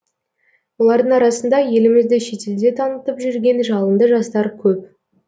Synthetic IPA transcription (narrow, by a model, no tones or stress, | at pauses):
wolˠɑɾd̪əɴɑɾɑsənd̪ɑje̞lɪmɪzd̪ɪʃe̞t̪e̞ld̪e̞t̪ʰɑnət̪əpʒʏɾɡʲe̞nʒɑlˠənd̪əʒɑst̪ɑɾkʲʰɵp̚